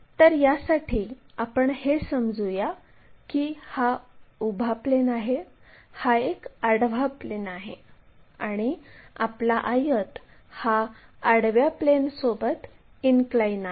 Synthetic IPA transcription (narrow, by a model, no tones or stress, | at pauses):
t̪əɾjasaʈʰiːapəɳhesəmd͡zuja | kihaubʱaplenaɦehaekaɽʋaplenaɦeaɽ̃iaplaʔajət̪ | haaɽʋjaplensobət̪ | inklajna